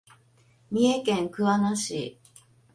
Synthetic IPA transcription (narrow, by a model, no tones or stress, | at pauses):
mʲiekẽŋkɯ̟βanaɕḭː